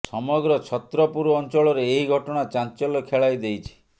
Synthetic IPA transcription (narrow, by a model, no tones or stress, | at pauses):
sɔmɔɡɾɔt͡ʃʰɔt̪ɾɔpuɾuɔnt͡ʃɔɭɔɾeːɦiɡʱɔʈɔɽ̃at͡ʃant͡ʃɔlɔkʰeɭajd̪ejt͡ʃʰi̥